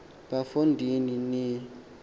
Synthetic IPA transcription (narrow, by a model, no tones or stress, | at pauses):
bafundʱinini